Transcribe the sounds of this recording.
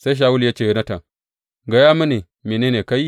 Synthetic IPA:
sa˦jʃ̬a˦wu˦lja˦t͡ʃe˦˨jo˦na˦ta˨ŋ | ɡa˨ja˦mi˦ne˨ | me˨ne˦ne˨ka˦ji˦

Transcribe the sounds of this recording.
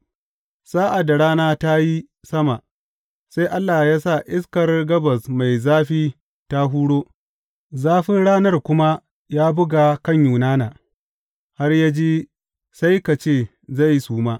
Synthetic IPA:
saː˦ʔa˨dːa˨ɽaː˦naː˦ta˦ji˦ | sɐ˦ma˨ | sa˦jʔa˦lːaː˨jaː˦sa˦˨ʔɪ˦skɐ˨rɡɐ˦bɐ˨sma˨jzaː˦ɸiː˦ | ta˦ɦuː˦ɽoː˦ | zaː˦ɸɪ˦nɽaː˦nɐ˦˨rkʷʊ˦ma˦ | jaː˦bʊ˦ɡa˨kɐ˦˨ɲjuː˨naː˦naː˨ | ha˦rja˦d͡ʒiː˦ | sa˦jka˨t͡ʃeː˦˨ | za˦˨jsuː˦maː˦

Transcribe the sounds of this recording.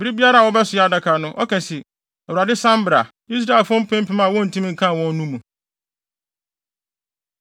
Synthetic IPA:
bɪ˨ɾi˦bi˦a˦ɾa˦˨wɔ˦bɛ˦sʊ˨a˨da˨kʰa˨nʊ̃˦ʔɔ˦kɛ̃˨si˨ | ɛ˨wɾa˨dɪ˦sã˦m˦bɾa̰˨ | i˦s̬ɾa˨lfʊ˦ʊ̃˦m̩˦pʰɛ̃˦m̩˦pʰĩ˦mã˦˨wɔ̃˦n̩˨tʰũ˦mĩ˨ŋ̩˨kʰã˦˨wɔ̃˦n˦nũ˦mũ˨

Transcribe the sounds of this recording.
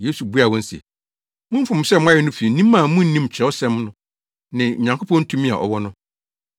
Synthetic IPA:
je˦su˨bu˦a˨wɔ̃˦n̩˦sɛ̰˨ | mʊ̃˦fʊ̃˨m̩˨sɛ˦m˦a˦jɛ˨˦nʊ̃˦fi˨nĩ˦mːã˨mʊ̃˦n̩˦nĩ˦m˨t͡ɕʰᶣɛ˨˦ɔ˦sɛ̃˦mnʊ̃˦ | nɪ̃˨ɲ̩˨ɲã˨ŋkʰo˦pʰɔ̃˦n̩˦tʰũ˦mĩ˦a̰˨ʔɔ̰˨wɔ˦nʊ̃˦

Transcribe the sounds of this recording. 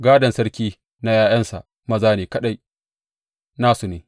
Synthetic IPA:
ɡaː˦dɐ˨nsɐ˦ɽkʲiː˦ | na˦jaː˦j̰ɐ˦nsa̰˨ʔ | mɐ˦zaː˦neː˨kɐ˦ɗa˦j | naː˦su˨neː˨

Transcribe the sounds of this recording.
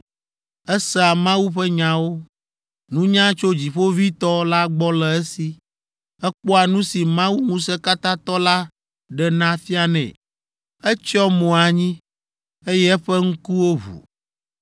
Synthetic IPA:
ɛ˦sɛ˦˨a˨mã˦wu˦ɸɛ˦ɲã˨wo˦ | nũ˦ɲã˦t͡ʃo˦d͡ʑi˨ɸo˦vi˦t̪ɔ˦la˦ɡ͡bɔ˦lɛ˨ɛ˦si˨ | ɛ˦k͡pɔ˦a˨nũ˦si˨mã˦wu˦ŋũ˦sɛ˦ka˦t̪ã˦t̪ɔ˦la˦ | ɖɛ˨nã˦fi˦a˨nɛ̰̃˨ | ɛ˦t͡ʃɔ˦mõ˨a˨ɲĩ˦ | e˦jɛ˦ɛ˦ɸɛ˦ŋ̩˦ku˦wo˦βṵ˨

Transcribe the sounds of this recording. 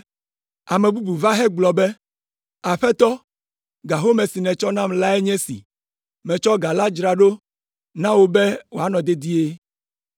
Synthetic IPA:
a˨mẽ˨bu˦bu˨va˦ɦɛ˦ɡ͡blɔ˨be˦ | a˨ɸɛ˦t̪ɔ˦ | ɡa˨ɦo˦mẽ˨si˨nɛ̃˨t͡ʃɔ˦nã˦mla˦e˦ɲɛ̃˦sḭ˨ | mɛ̃˨t͡ʃɔ˦ɡa˨la˦d͡ʒɾa˨ɖo˦ | nã˦wo˦be˦wo˨a˨nɔ̃˨d̪e˦d̪i˦e˦

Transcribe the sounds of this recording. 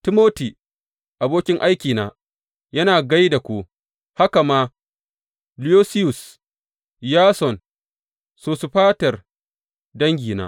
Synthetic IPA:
tɪ˦moː˦ti˨ | ʔa˨boː˦kʲɪ˦ŋʔa˦jkʲiː˨naː˨ | jɐ˦naː˨ɡa˦jda˨kʷoː˦ | ha˦ka˨maː˦ | li˦oː˦sɪ˦jʊ˨s | jaː˦sɔ˨n | soː˦su˦ɸaː˦tɐ˨r | dɐ˦ŋɡʲiː˨na̰ː˦

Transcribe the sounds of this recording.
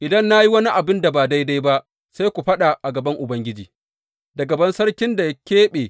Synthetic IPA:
ʔɪ˨dɐ˦nːa˦ji˦wɐ˦ni˦ʔa˨bɪ˦nda˨baː˨da˦jda˦jba˦ʔ | sa˦jkʷu˨ɸɐ˦ɗa˨ʔa˨ɡɐ˨bɐ˦ŋʔʊ˨bɐ˦ŋɡʲɪ˦d͡ʒiː˨ | dɐ˨ɡɐ˨bɐ˦nsɐ˦ɽkʲɪ˦nda˨ja˦kʲeː˦ɓeː˨

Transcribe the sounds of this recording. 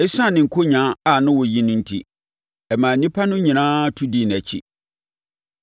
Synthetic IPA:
ɪ˦sã˦˨nɪ̃˨ŋ̩˨kʰo˦ɲã˦a˨nʊ̃˦wɔ˨ji˦nʊ̃˦n̩˦tʰḭ˦ | ɛ˨mã˨˦nĩ˦pʰa˦nʊ̃˦ɲĩ˨nãː˦tʰu˦di˦˨n˨æ˨t͡ɕʰḭ˦

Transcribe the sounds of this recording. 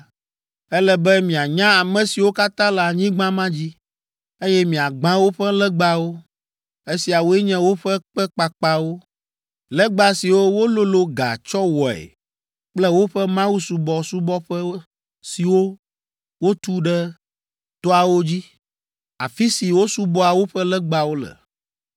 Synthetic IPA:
ɛ˦lɛ˦bɛ˦mĩ˨a˨ɲã˦a˨mɛ̃˨si˨wo˦ka˦t̪ã˦la˨ɲĩ˦ɡ͡bã˦mã˦d͡ʑi˦ | e˦jɛ˦mĩ˨a˨ɡ͡bã˦wo˦ɸɛ˦lɛ˦ɡ͡ba˦wo˦ | e˦si˨a˨wo˦ɛ˦ɲɛ̃˦wo˦ɸɛ˦k͡pɛ˦k͡pa˨k͡pa˦wo˦ | lɛ˦ɡ͡ba˦si˨wo˦wo˦lo˦lo˦ɡa̰˨t͡ʃɔ˦wɔ˨ɛ̰˨ | k͡plɛ˦wo˦ɸɛ˦mã˦wu˦su˨bɔ˨su˦bɔ˦ɸɛ˦ | si˨wo˦ | wo˦t̪u˦ɖɛ˦ | t̪ɔ˦a˨wo˦d͡ʑi˦ | a̰˨fi˦si˨wo˦su˦bɔ˦a˨wo˦ɸɛ˦lɛ˦ɡ͡ba˨wo˦lə̰˨

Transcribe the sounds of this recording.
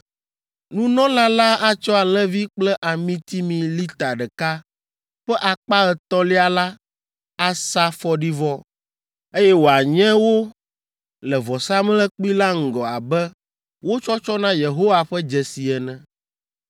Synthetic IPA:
nũ˦nɔ̃˦lã˦la˦a˨t͡ʃɔ˦a˨l̃ɛ̃˦vi˦k͡plɛ˦ʔa˨mĩ˦t̪i˦mĩ˨li˦t̪a˨ɖɛ˨ka˦ | ɸɛ˦ʔa˨k͡pa˦ɛ˨t̪ɔ˦li˦a˨la˦ | a˦sa˦fɔ˦ɖi˦vɔ˦ | e˦jɛ˦wo˨a˨ɲɛ̃˦wo˦ | lɛ˨vɔ˨sa˦m˦lɛ˦k͡pi˦la˦ŋ̩˨ɡɔ˨a˨bɛ˦ | wo˦t͡ʃɔ˦t͡ʃɔ˦nã˦je˨ɦo˦wa˨ɸɛ˦d͡ʒɛ˨si˨ɛ˨nɛ̃˨

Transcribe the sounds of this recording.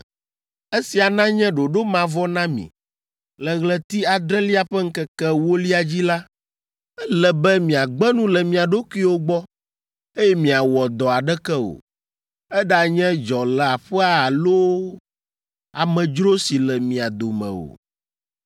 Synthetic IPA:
e˦si˨a˨nã˦ɲɛ̃˦ɖo˨ɖo˦mã˨vɔ˦nã˦mḭ̃˨ | lɛ˨ɣlɛ˨t̪i˦a˨d̪ɾɛ˦li˦a˨ɸɛ˦ŋ̩˦kɛ˦kɛ˦wo˦li˦a˨d͡ʑi˦la˦ | ɛ˦lɛ˨bɛ˦mĩ˨a˨ɡ͡bɛ˦nũ˦lɛ˨mĩ˨a˨ɖo˦ki˦wo˦ɡ͡bɔ˦ | e˦jɛ˦mĩ˨a˨wɔ˨d̪ɔ˨a˨ɖɛ˦kɛ˦o̰˨ | ɛ˦ɖa˨ɲɛ̃˦d͡ʒɔ˨lɛ˨a˨ɸɛ˦a˨a˨lo˦ | a˨mɛ̃˨d͡ʒɾo˦si˨lɛ˨mĩ˨a˨d̪o˨mɛ̰̃˨o̰˨

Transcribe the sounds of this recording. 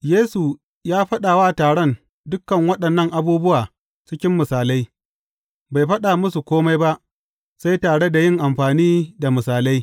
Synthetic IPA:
jeː˦su˨ | jaː˦ɸɐ˦ɗaː˨waː˦taː˨ɽɐ˦n | dʊ˦kːɐ˨ŋwɐ˦ɗɐ˨nːɐ˦˨ŋʔa˨buː˦bʊ˦waː˨ | t͡ʃɪ˦kʲɪ˦mːɪ˨saː˨la˦j | ba˨jɸɐ˦ɗa˨mʊ˦su˨kʷoː˦ma˦jba˦ʔ | sa˦jtaː˨ɽe˦da˨jɪ˦˨ŋʔa˨mɸaː˨niː˦da˨mɪ˨saː˨la˦j

